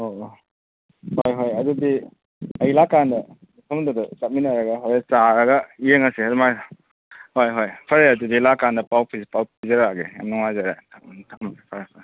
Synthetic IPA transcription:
o | hojɦojɐdudi | ɐjlakandɐ | mipʰɐmdɔdɐt͡ʃat̚minaɾɐɡɐɦojet͡ʃaɾɐɡɐijeŋasiadmaj | hojɦojpʰɐɾeɐdudilakandɐpawpʰizpawpʰizaɾaɡeja̰mnɔŋajzaɾa̰tʰantʰamɡpʰaɾapʰa

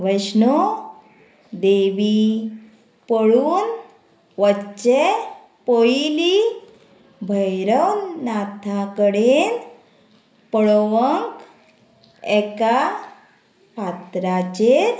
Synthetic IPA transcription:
ʋəsnɔ | d̪eʋi | pəɽuːn | ʋət͡ɕe | pojli | bʱəjɾəwnat̪ʰakəɽen | pəɭʋəŋk | ɛka | pat̪ɾat͡ɕeɾ

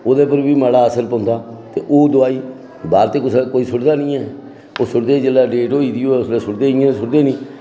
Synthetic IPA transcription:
oːd̪eːpəɾbiːmaːɽaːəsəlpə̃ːnd̪aːt̪eːʔoːd̪ʊaːiː | baːɾt̪eːkʊskoːiːsʊɽd̪aːnĩːɛː | oːsʊɽd̪eːd͡ʒəlaːɖeːʈoːiːd̪iːoːɛʊsleːsʊɽd̪eːɪːãːsʊɽd̪eːnĩː

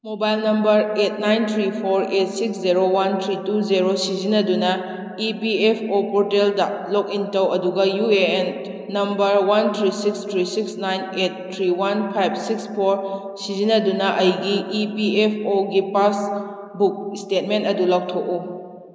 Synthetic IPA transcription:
mobajlnɐmbɐɾet̚najnt̪ʰɾipʰoɾet̚siksziɾowant̪ʰɾituziɾosizinɐdunɐ | ipiepʰopɔɾteldɐlok̚intɐwɐduɡɐjuenː | ɐmbɐɾwant̪ʰɾisikstʰɾisiksnajnet̚tʰɾiwanpʰajb̚sikspʰoɾ | sizinɐdunɐʔɐjɡiːpiepʰoɡipas | buk̚stet̚mentɐdulɐk̚tʰok̚u

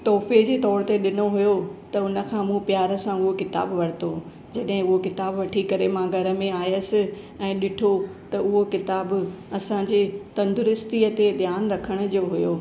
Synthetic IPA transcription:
t̪ɔːfed͡ʑeːt̪ɔːɾt̪eɗɪnoɦujot̪ɐʊnə̆kʰãːmũpjaːɾəsãʊɦokɪt̪a̰ːbʋɐɽ̤ɪt̪o | d͡ʑɐɗɦɪ̃ʊɦokɪt̪aːbʋɐʈʰikɐɾemãɡʱɐɾə̆mẽaːjəsɪ̆ | ɛ̃ːɗɪʈʰot̪ɐʊɦokɪt̪aːbɐsãːɲd͡ʑeːt̪ɐ̃nd̪ʊɾɪst̪iəd̪ed̪ʱjaːnɾɐkʰəɽ̃ʊ̆d͡ʑoːɦʊjoː

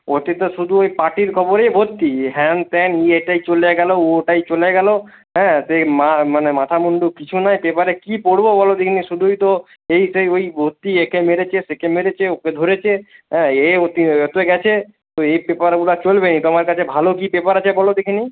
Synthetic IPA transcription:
ot̪it̪oʃud̪ʱuojpaʈiɾkʰɔboɾejbʱot̪ːiɦɛnt̪ɛnieʈajt͡ɕoleɡɛlooʈajt͡ɕoleɡɛlo | ɦɛ̃semamanemat̪ʰamuɳɖukit͡ɕʰunajpepaɾekipoɽbobɔlod̪ekʰiniʃud̪ʱujt̪o | ejsejojbʱot̪ːiekemeɾet͡ɕʰesekemeɾet͡ɕʰeoked̪ʱoɾet͡ɕʰeɦɛ̃eot̪iɔt̪oɡɛt͡ɕʰe | t̪oejpepaɾɡulat͡ɕolbenit̪omaɾkat͡ɕʰebʱalok̬ipepaɾat͡ɕʰebɔlod̪ekʰini

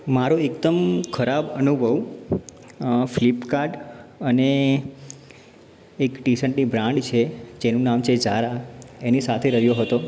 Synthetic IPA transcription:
maɾoekt̪əmkʰəɾabənubʱəʋ | flipkaɾɖəne | kʈisəɳʈnibɾãɳɖt͡ʃʰed͡ʒenũnamt͡ʃʰed͡ʒaɾaenisat̪ʰeɾəɦjoɦət̪o

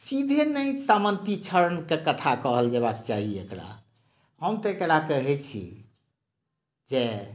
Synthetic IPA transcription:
sid̪ʱenəjsamənt̪it͡ʃʰəɾənkekət̪ʰakəɦəld͡ʒeβakt͡ʃaɦiekɽa̰ | həmt̪ekeɽakəɦɛt͡ʃʰḭ | d͡ʒe

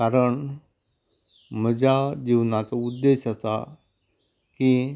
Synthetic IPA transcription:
kaɾəɳ | m̤əd͡ʑʱad͡ʑiʋnat͡saud̪ːeɕasa̰ | ki

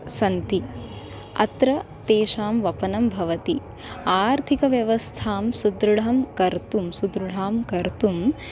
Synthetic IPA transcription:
sɐnt̪i | ɐ̰t̪ɾɐ | t̪eːʃaːmʋɐpɐnɐmbʱɐʋɐt̪i | aːɾt̪ʰikɐʋjɐʋɐst̪ʰaːmsud̪ɾɐɽɐmkɐɾt̪umsud̪ɾɨɽ̤aːmkɐɾt̪um

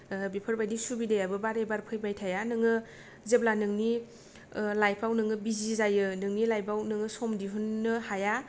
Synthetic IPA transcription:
bipʰɯɾbajdisubidejabɯbaɾebaɾpʰɯjbajtʰajanɯŋɯ | zeblanɯŋni | lajpʰawnɯŋɯbizizajɯnɯŋnilajbawnɯŋɯsɔmdiɦunːɯhaja

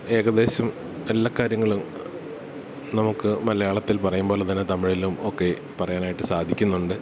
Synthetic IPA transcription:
e̞ːɣɐðe̞ːɕɐm | elːɐkːaːɾjɐŋːɐɭum | nɐmukːɨmɐlɐjaːɭɐt̪ːilpɐrɐjumboːlɐðinːɨt̪ɐmiɭilumokːe̞ | pɐrɐjaːnaːjiʈːɨsaːd̪ʱikʲːunːuɳɖɨ

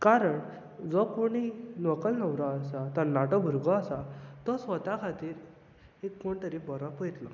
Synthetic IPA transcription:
kaɾəɳ | d͡zɔpuɽ̃inɔkəlnəwɾaːsat̪əɾnaʈɔbʱuɾɡɔasat̪ɔsʋət̪akʰat̪iːɾ | ekːoɳt̪əɾifbəɾãpəjt̪la

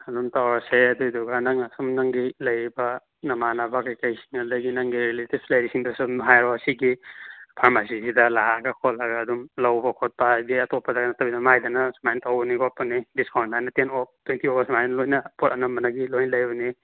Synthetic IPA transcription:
ɐdumtawɾaseɐdujduɡanaŋasumnaŋɡilɐjbɐ | nɐmanabakajkajsi̥ŋadaɡinaŋɡiɾiletibslajɾisiŋdasumɦajɾɔɐsiɡipʰaɾmasisidɐlaaɡakʰɔlɐɡaːd̪umlawbɐkʰɔt̚padiɐtɔpʰːadaɡanɐtɐbidamajdanɐsmajntawbɐniɡɔp̚pːɐnidiskawntnajnɐtenɔp̚twentiɔbasmajnlojnɐpɔtɐnɐmbɐnaɡilojnlɐjbɐni

